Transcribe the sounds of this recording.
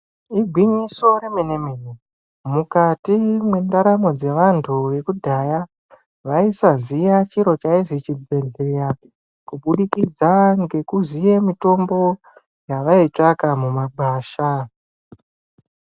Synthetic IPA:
iɡʱwiɲiso̞ɾe̞mene̞mene | mukatimwe̞ndaɾamo̞d͡ze̞ʋantʰuʋe̞kudʱaja | ʋaisazijat͡ʃiɾo̞t͡ʃaizit͡ʃibʱe̞ɮeja | kuɓuɗikid͡zaŋɡe̞kuzije̞mito̞mbo̞ | jaʋait͡ʂakamumaɓʱaːʃa

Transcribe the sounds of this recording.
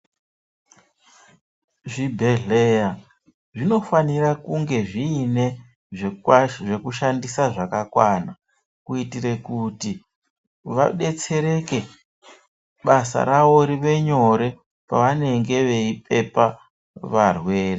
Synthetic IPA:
ʐibʱeɮeja | ʐino̞fanirakuŋɡe̞ʐiːne̞ | ʐe̞kuʃandisaʐakakwana | kuitire̞kuti | ʋa̰ɗe̞t͡se̞ɾe̞ke̞ | ɓasa̰ɾaʋo̞ɾiʋe̞ɲo̞ɾe̞ | pa̰ʋane̞ŋɡe̞ʋe̞ip̚e̞pa | ʋarwe̞ːre

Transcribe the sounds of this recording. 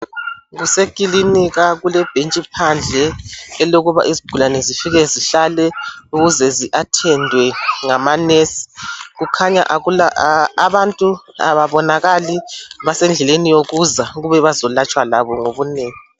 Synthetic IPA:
ɣusekʼiliniɣaɣulɛb̥ʱent͡ʃʼipʰand͡ɮʱɛːloɣuβa̰ʔizib̥ʱulanɛzifiɣɛziɬalɛuɣuzɛziʔatʰɛndʱwɛŋamanesi̥ɣukʰaɲa̰ʔɣulaaβantʼua̰βaβɔnaɣaliβasɛnd͡ɮʱɛlenijoɣuzaɣuβɛβazɔlat͡ʃʼwalaβɔŋoβuneːŋi

